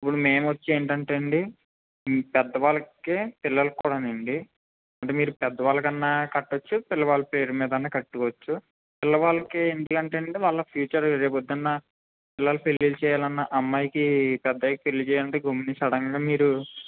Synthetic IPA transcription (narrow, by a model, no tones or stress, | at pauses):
ipːuɽumeːmʋɐt͡ʃːeːɳʈɐɳʈeːɳɖi | pɛd̪ːɐʋaːlɐkeːpɪlːɐlɐkkuːɽɐneɳɖi | ɐɳʈeːmiːɾupɛd̪ːɐʋaːlɐkɐnːaːkɐʈːot͡ʃːupɪlːɐʋaːlɐpe̞ːɾumiːd̪ɐnːaːkɐʈːukːʋɐt͡ʃːu | pɪlːɐʋaːlɐkeːɳd̪ilɐɳʈeːɳɖiʋaːɭːɐpʰjuːt͡ʃɐɾɾeːpod̪ːɐnːa | pɪlːɐlɐpelːiːlt͡ʃɛːjaːlɐnːɐʔɐmːaːjikipɛd̪ːɐjkpelːit͡ʃɛːjɐɳʈeːɡomːinisɐɽɐŋɡaːmiːɾu